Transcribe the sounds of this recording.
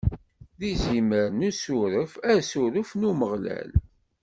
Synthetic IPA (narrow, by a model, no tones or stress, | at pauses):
ðiziməɾnusuɾəfæsuɾəfnuməʁlæ̰l